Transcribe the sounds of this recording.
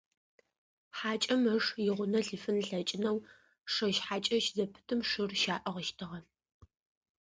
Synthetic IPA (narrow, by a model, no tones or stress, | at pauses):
ħaːt͡ʃʼɐmɐʂjɪʁʷʊnɐɬifɨnɬɐt͡ʃʼɪnɐw | ʂɐʃħaːt͡ʃʼɐʃzɐpʰɨ̥tʰɨmʂɨrʃaːʔɐʁəʃtʰɨʁɐ